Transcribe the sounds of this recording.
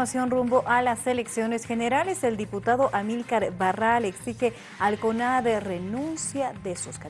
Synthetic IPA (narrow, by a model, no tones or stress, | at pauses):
asjo̞nrumbo̞ʔalaseleksjo̞ne̞sxe̞ne̞ɾale̞se̞ld̪iput̪aðo̞ʔamilkaɾbaraleksixe | alkonaðerenũnsjaðesuska